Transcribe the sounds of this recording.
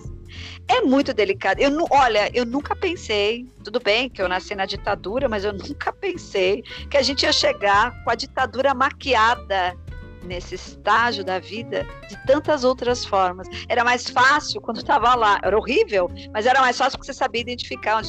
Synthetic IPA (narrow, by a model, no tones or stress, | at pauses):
ɛmũj̃t̪ʊd̪elikad̪ʊewnũʔɔʎɐʔewnũŋkɐpẽsejt̪ud̪ʊbẽj̃kɪewnasijnɐd͡ʒit̪ad̪uɾɐmɐzewnũkɐpẽsejkɪaʒẽnt͡ʃɪiɐʃeɡaɾkõɐd͡ʒit̪ad̪uɾɐmakiad̪ɐ | nesɪɪst̪aʒʊd̪ɐvid̪ɐd͡ʒɪt̪ɐ̃nt̪ɐzowt̪ɾɐsfɔɾmɐsɛɾɐmajsfasiwkwɐ̃nd̪ʊt̪avɐlaʔɛ̰ɾɐoɦivewmɐzɛɾɐmajsfasiuwpkɪ̥sesabiɐid̪ẽnt͡ʃifikaɾõd͡ʒ